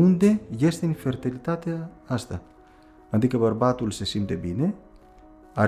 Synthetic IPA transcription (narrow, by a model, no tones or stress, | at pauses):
und̪ejest̪enifeɾt̪ilit̪at̪east̪a | nand̪ikaβaɾbat̪ulsesimt̪ebine | a